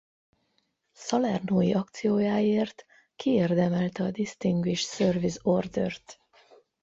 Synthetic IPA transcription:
sɒlɛrnoːjiʔɒkt̪sijoːjaːeːrt̪ | kieːrd̪ɛmɛlt̪ɛɒd̪ist̪iŋɡiʃsørvizord̪ørt̪

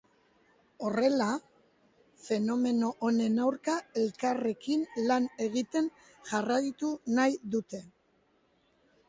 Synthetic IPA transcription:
o̞re̞la | fe̞no̞me̞no̞ʔone̞nawɾkae̞lkare̞kinlane̞ɣit̪e̞n | ʝarajt̪unajðut̪e̞

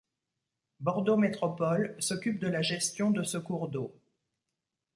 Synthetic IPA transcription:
bɔʁd̪omet̪χɔpɔlsɔkʲyp̚d̪əlaʒɛst̪jɔ̃d̪əsəkuʁd̪o

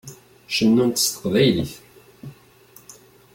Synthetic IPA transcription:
ʃənːunt̪ə̥st̪ə̥qvæjlḭθ

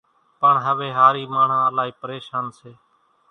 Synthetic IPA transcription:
pəɳɦəʋeːɦaːɾiːmaːɳ̤ãːəlaːɦiːpəɾeːʃaːnseː

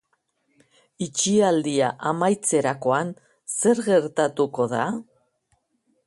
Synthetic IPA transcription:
it͡ʃiald̪iaʔamajt͡se̞ɾako̞an | se̞ɾɣe̞ɾt̪at̪uko̞ða

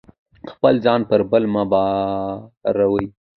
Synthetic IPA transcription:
xpəlzɑnpəɾbəlmabɑ | ɾawəj

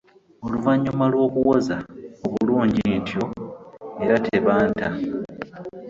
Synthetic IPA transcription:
o̞luvaɲːumalwo̞ːkuwo̞zaoβuluːɲɟintjo̞ | e̞ɾatʰe̞βaːnta

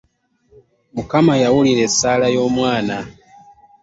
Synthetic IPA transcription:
mukamajawulilesalajoːmwaːna

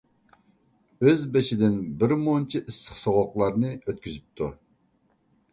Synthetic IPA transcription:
øzbeʃid̪ɪnbɪɾmont͡ʃʰiʔɨsːə̥qsoʁoqlˠɑɾnɨøt̪̚kʲʰyzyp̚t̪ʰu

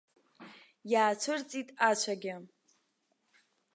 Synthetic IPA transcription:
jaːt͡ʃʷʰʊrt͡sʼitʼat͡ɕʷʰaɡʲɪ

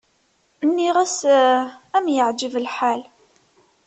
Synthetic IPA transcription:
nːiʁæs | æmjəʕd͡ʒəvəlħal

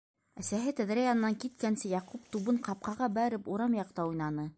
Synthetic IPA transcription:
æsæɦɘt̪æðɾæjɑnɤ̆nɑŋkit̪̚kænsɘjɑqup̚t̪uβɤɴqɑp̚qɑʁɑbæɾɘpuɾɑmjɑqt̪ɑujnɑnɤ

